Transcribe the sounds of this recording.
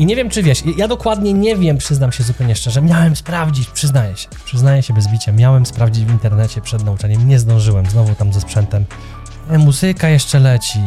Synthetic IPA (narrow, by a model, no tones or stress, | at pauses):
iɲɛvʲjɛmt͡ʂɘvʲjɛʂjjad̪ɔkwad̪ɲɛɲɛvʲjɛmpʂɘznamɕɛzupɛwɲɛʂt͡ʂɛʐɛmʲjawɛmspɾavd͡ʑit͡ɕpʂɘznajɛɕɛ̥pʂɘznajɛɕɛbɛzbʲit͡ɕamʲjawɛmspɾavd͡ʑid͡ʑvint̪ɛɾnɛt͡ɕɛpʂɛd̪naut͡ʂaɲɛmɲɛzd̪ɔ̃w̃ʐɘwɛmznɔvut̪amzɛspʂɛnt̪ɛm | muzɘkajɛʂt͡ʂɛlɛt͡ɕi